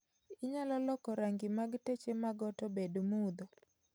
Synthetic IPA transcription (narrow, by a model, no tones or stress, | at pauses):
ɪɲalɔlɔkɔɾaŋɡɪmaɡtet͡ʃemaɡɔtɔbedmud̪o